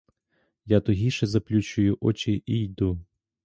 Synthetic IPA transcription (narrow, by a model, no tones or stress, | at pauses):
jat̪ɔɦʲiʃɛzɐplʲut͡ʃʊjʊʔɔt͡ʃɪʔijd̪u